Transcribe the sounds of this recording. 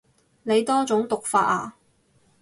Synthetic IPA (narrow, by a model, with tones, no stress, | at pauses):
ne˨˧jt̪ɔː˥t͡sʊ˨˥ŋt̪ʊ˨k̚faː˧t̚aː˨˩